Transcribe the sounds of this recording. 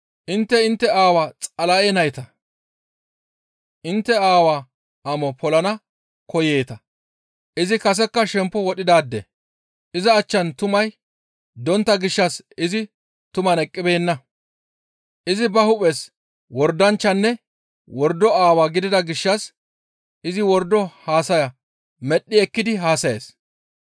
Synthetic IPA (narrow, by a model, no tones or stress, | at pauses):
ʔɪnt̪ːɛɪnt̪ːɛaːwaːt͡sʼɐlɐenɐjt̪ɐ | ʔɪnt̪ːɛaːwaː | ʔɐmɔpʰɔlɐnɐ | kɔje̞ːt̪ɐ | ʔɪzɪkɐs̬ɛkːɐʃɛmpːɔwɔɗɪd̪aːd̪ːɛ̰ | ʔɪzɐːt͡ʃːɐnt̪ʊmɐj | d̪ɔnt̪ːɐɡɪʃːɐs | ɪzɪ | t̪ʊmɐnɛkʼːɪbe̞ːnːɐ | ʔɪzɪbɐhʊpʼɛs | wɔɾd̪ɐnt͡ʃːɐnːɛ | wɔɾd̪ːɔaːwaːɡɪd̪ɪd̪ɐɡɪʃːɐs | ʔɪzɪwɔɾd̪ɔhaːsɐjɐ | mɛɗːɪɛkːɪd̪ɪɦaːsɐjḛːs